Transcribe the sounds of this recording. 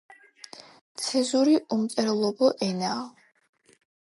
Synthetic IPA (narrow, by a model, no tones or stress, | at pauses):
t̪sʰɛzuɾiumt̪ʼɛɾɛlˠɔbɔʔɛnaː